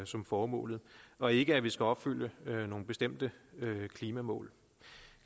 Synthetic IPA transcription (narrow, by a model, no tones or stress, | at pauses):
sɒ̽mfɒːmɔ̰̽ːlð̩ˠɒ̽e̝ɡ̥əæʋisɡ̥æɒ̽b̥fyl̰jəøno̝ːn̩b̥e̝sd̥em̰d̥əøkʰliːmæmɔ̰̽ːl